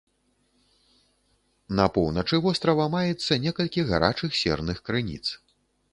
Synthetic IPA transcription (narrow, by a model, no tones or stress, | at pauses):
nɐpɔwnɐt͡ʂɨvɔst̪ɾɐvɐmajɛt̪sːɐnʲɛkɐlʲkʲiɣaɾa̰t͡ʂɨxsʲɛ̰rnɨxkɾɨnʲḭt̪s